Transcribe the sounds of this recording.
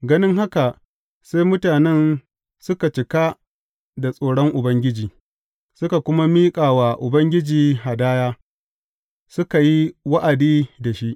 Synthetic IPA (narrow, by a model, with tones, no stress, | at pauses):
ɡɐ˦nɪ˦ŋɦa˦ka˨ʔ | se˦jmʊ˦taː˨nɛ˦n | sʊ˦ka˨t͡ʃɪ˨ka˦ | da˨sʼoː˨ɽɔ˦ŋʔʊ˨bɐ˦ŋɡʲɪ˦d͡ʒiː˨ | sʊ˦ka˨kʷʊ˦ma˦miː˦kʼaː˨wa˨ʔʊ˨bɐ˦ŋɡʲɪ˦d͡ʒiː˨ɦa˨daː˦jaː˦ | sʊ˦ka˨ji˦wɐ˦ʔa˨diː˦da˨ʃi˦ʔ